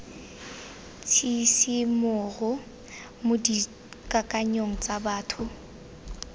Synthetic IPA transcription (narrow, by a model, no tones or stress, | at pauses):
t͡sʰisimʊɣʊ | mʊdi | kʼakʼaɲoŋ̩t͡sʼabaːtʰʊ